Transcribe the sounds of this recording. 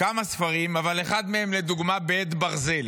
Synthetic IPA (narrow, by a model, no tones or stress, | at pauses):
kamasfaʁimavale̞χad̪mehemled̪uɡmabet̪baʁzel